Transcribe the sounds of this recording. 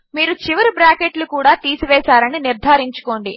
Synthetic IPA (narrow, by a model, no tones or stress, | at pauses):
miːɾut͡ʃiʋɐɾubɾaːkeʈlukuːɽaːt̪iːsuʋɛːsaːɾɐniniɾd̪ʱaːɾiɲt͡ʃu̥ko̞ːɳɖi